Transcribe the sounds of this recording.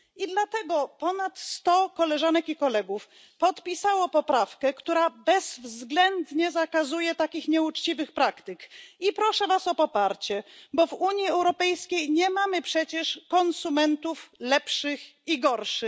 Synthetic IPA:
id̪lat̪ɛɡɔpɔnat̪st̪ɔkɔlɛʐanɛkikɔlɛɡuf | pɔt̪pʲisawɔpɔpɾafkɛkt̪uɾabɛz̥vzɡlɛnd̪ɲɛzakazujɛt̪akʲixɲɛut͡ʂt͡ɕivɘxpɾakt̪ɘkipɾɔʂɛvasɔpɔpaɾt͡ɕɛbɔvuɲjiɛwɾɔpɛjskʲejɲɛmamɘpʂɛt͡ɕɛʂkɔnsumɛnt̪uflɛpʂɘxiɡɔɾʂɘ

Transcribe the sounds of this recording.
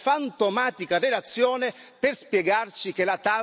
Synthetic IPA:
fant̪omaːt̪ikarelat̪sːjɔːneperspjɛɡart͡ʃik̟elat̪a

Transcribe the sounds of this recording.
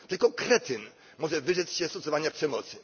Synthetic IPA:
t̪ɘlkɔkɾɛt̪ɪn | mɔʐɛvɘʐɛt̪sɕɛst̪ɔt̪sɔvaɲapʂɛmɔt̪sɘ

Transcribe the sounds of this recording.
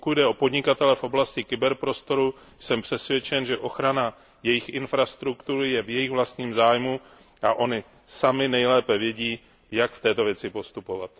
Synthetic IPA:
pokuɟdɛʔo̞po̞dɲɪkat̪ɛlɛfʔo̞blascɪkɪbɛɾpɾo̞st̪o̞ɾu | sɛmpr̝̥ɛsvjɛt͡ʃɛnʒɛʔo̞xɾana | jɛjɪxʔɪnfɾast̪ɾukt̪uɾɪjɛvjɛjɪxvlast̪ɲiːmzaːjmu | ʔaʔoɲɪ | samɪnɛjlɛːpɛvjɛɟiː | jakft̪ɛːt̪o̞vjɛt͡sɪpo̞st̪upo̞vat̪

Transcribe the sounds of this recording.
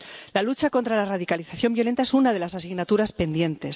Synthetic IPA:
lalut͡ʃako̞nt̪ɾalarað̞ikaliθaθjo̞mbjole̞nt̪aesunað̞e̞lasasiɣnat̪uɾaspe̞nd̪je̞nt̪e̞s

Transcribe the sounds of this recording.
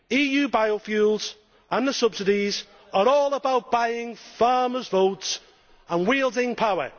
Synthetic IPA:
iːjʉːbaɪofjuːlˠz̥ | ʔə̃nðəsʊb̥sɪdɪz | əɹɔːləbaʊʔ̚b̥aɪɪ̃ŋfɑːməzvoʊts | ə̃nwiːlˠdɪ̃ŋpʰaʊə̰

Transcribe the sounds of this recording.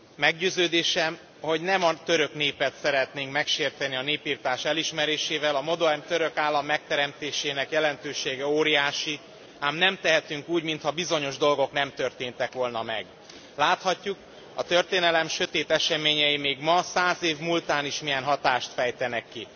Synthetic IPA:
mɛɡɟøːzøːd̪eːʃɛm | ho̞ɟnɛmɒt̪øɾø̞kneːpɛt̪sɛɾɛt̪neːŋkmɛkʃeːrt̪ɛniɒneːpiːrt̪aːʃɛliʃmɛɾeːʃeːvɛlɒmo̞d̪ormt̪øɾø̞kaːlːɒmːɛk̚t̪ɛɾɛmt̪eːʃeːnɛkjɛlɛnt̪øːʃeːɡɛoːɾijaːʃi | aːmnɛmt̪ɛɦɛt̪yŋkuːɟmint̪hɒbizo̞ɲo̞ʒd̪o̞lɡo̞knɛmt̪ø̞rt̪eːnt̪ɛkʋo̞lnɒmɛ̰ɡ | laːt̪hɒcːuk | ɒt̪ø̞rt̪eːnɛlɛmʃø̞t̪eːt̪ɛʃɛmeːɲɛjimeːɡmɒsaːzeːvmult̪aːniʃmijɛnɦɒt̪aːʃt̪fɛjt̪ɛnɛkːi

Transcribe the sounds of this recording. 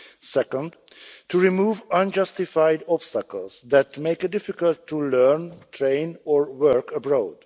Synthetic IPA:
sɛkə̃nd | tʰuɹimuːvʌ̃nd͡ʒʌstɪfaɪdɔbstəkəl̩ˠzðætmeɪkɨt̚d̥ɪfɪkəlˠtʰːulɜ˞ntʰɹẽɪ̃nɔɹwɜɹkəbɹoʊd̥

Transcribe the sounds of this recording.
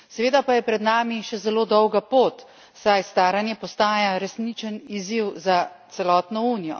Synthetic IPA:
sɛʋeːd̪apajɛpɾɛd̪naːmiʃɛzɛloːd̪ɔwɡapoːt̪ | sajst̪aːɾanjɛpɔst̪aːjaɾɛsnit͡ʃəniziwzat̪sɛlɔːt̪nɔuːnijɔ̰

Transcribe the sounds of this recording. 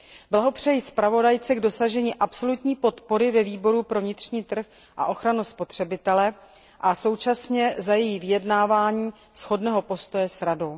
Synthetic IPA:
blaɦo̞pr̝̥ɛjispɾavo̞dajt͡sɛɡdo̞saʒɛɲiʔapso̞lut̪ɲiːpo̞t̪po̞ɾɪvɛviːbo̞ɾupɾo̞vɲɪt̪r̝ɲiːt̪r̩x | ʔa̰ʔo̞xɾanuspo̞t̪r̝̥ɛbɪt̪ɛlɛ | ʔaso̞wt͡ʃasɲɛzajɛjivɪjɛdnaːvaːɲiː | sxo̞dnɛːɦo̞po̞st̪o̞jɛsɾado̞w

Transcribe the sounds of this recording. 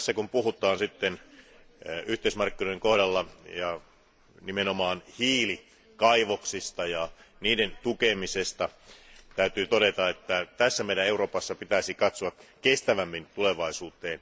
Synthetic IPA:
sːækumpuɦut̪ˑɑːnsit̪ːen | yht̪eismɑrkːinoieŋkohdɑlːɑjɑ | nimenomɑːnhiːli | kɑiʋoksist̪ɑjɑ | niːdent̪ukemisest̪ɑt̪æyt̪yːt̪oɾet̪ɑet̪ːæt̪æsːæmeidæeuɾo̞ːpɑsːɑpit̪æisikɑt̪soɑkkest̪æʋæmːint̪uleʋɑisuːt̪eːn

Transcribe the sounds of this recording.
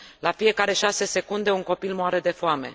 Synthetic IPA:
lafije̞kaɾe̞ʃase̞se̞kund̪e̞uŋko̞pilmoaɾe̞d̪e̞foame̞̰

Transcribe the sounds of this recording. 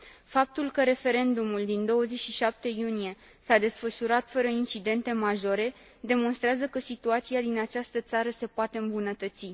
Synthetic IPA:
fap̚t̪ulkəɾe̞fe̞ɾe̞nd̪umuld̪ind̪o̞wəzet͡ʃʲʃiʃap̚t̪e̞junije̞ | sad̪e̞sfəʃuɾat̪fəɾəint͡ʃid̪e̞nt̪e̞maʒo̞ɾe̞ | d̪e̞mo̞nst̪ɾeazəkəsit̪uat̪siad̪inat͡ʃast̪ət̪saɾəse̞poat̪e̞ɨmbunət̪ət̪si

